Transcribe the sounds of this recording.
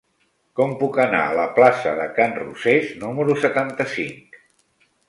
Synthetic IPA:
kɔmpukəna̰ələplasə̰ðəkanrṵseznuməɾusət̪ant̪əsiŋk

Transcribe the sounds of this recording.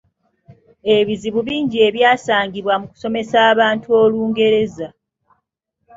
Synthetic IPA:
e̞βiziβuβiːɲɟie̞βjaːsaːŋɡiβwamuku̥so̞me̞saːβaːntuo̞ːluːŋɡe̞ɾe̞za

